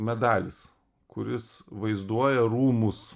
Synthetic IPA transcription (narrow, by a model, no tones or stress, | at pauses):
mʲɛd̪ɑːlʲɪs | kʊɾʲɪsʋɐɪzd̪uɔjɛɾuːmʊs